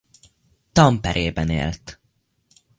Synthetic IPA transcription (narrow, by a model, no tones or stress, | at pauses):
t̪ɒmpɛɾʔeːbɛnḛːlt̪